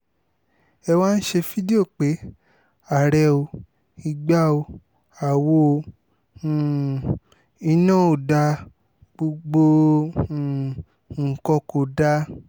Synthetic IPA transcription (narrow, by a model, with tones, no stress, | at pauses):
ɛ˧wa˦n̩˦ʃe˧fi˦de˦o˦˨k͡pe˨˦ | a˨ɾɛ˧o˧ | i˧ɡ͡ba˦o˧ | a˨wo˦˨˧ | i˧nã˦o˨da˧ | ɡ͡bo˧ɡ͡bõ˧˨ | ŋ̩˨kɔ˧ko˨da˧